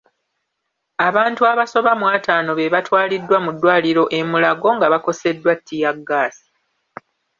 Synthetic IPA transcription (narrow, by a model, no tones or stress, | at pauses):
aβaːntuaβaso̞βamwaːtaːno̞βe̞βatwaːlidːwamudːwaːliɾo̞ʔe̞mulaɡo̞ŋɡaβako̞se̞dːwatʰːijaɡːaːsi̥